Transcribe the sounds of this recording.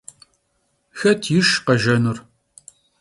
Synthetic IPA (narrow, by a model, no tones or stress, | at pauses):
xɐtʰjɪʃqɐʒɐnur